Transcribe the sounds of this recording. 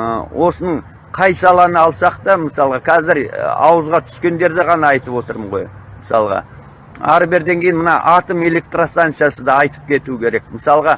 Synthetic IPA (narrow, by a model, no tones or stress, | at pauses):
əwʔo̞sənəɴ | qʰɑjsɑlˠɑnəɑlˠsɑqt̪ɑməsɑlˠəʁɑkʲʰæzɪɾ̰ɑ̰wəzʁɑt̪ʰʏ̥skʲe̞nd̪e̞ɾd̪ɪʁɑnɑɑjt̪əpwo̞t̪əɾməɴʁo̞jməsɑ̰lˠəʁɑ̰ | ɑ̰ɾəbe̞ɾd̪e̞ŋkʲejɪnmənɑ̰ʔɑt̪əme̞le̞k̚t̪rost̪ant̪sɨjasəd̪ɑːjt̪ə̥p̚kʲʰe̞t̪uəkʲʰe̞ɾe̞kməsɑlˠəʁɑ